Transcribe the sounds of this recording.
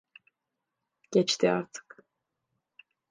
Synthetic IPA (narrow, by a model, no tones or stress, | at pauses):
ɟ̥ɛt͡ʃt̪ʰia̰ɾt̪ʰɯ̥k